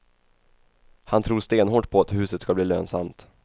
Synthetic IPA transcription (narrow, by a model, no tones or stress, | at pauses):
hant̪ʰɾuːʂt̪eːnɦoːʈ̚pʰɔat̪hʉ̟ːsət̪skabliːlø̰ːnsa̰mt̪